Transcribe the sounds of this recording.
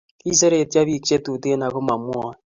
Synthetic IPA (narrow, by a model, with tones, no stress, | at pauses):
ki˦se˦ɾe˨ta˦βi˦˨t͡ʃe˦tu˨te˦na˨ko˦ma˨mwɔ˦